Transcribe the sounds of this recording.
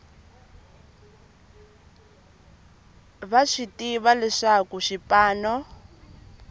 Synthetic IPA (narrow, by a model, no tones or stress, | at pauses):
βaʃitʼiβalɛʂakuʃipʼaːnɔ